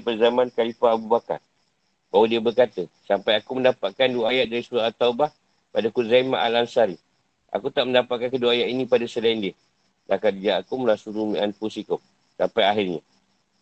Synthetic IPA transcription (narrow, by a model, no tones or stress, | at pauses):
pərzamãnkalifaːbubaka̰r | bawədiəbərkat̪əsampajakuməndapaʔ̚kanduajatʔ̪̚daɾisuɾat̪aubah | padakuzamaʔalansaɾi | ʔa̰kut̪aʔməndapat̪̚kankəduajaʔ̪inĩpadasəlaindi | lakatd͡ʒaakuməlasuɾumianpusikʊp̚ | sampajaɦirɲa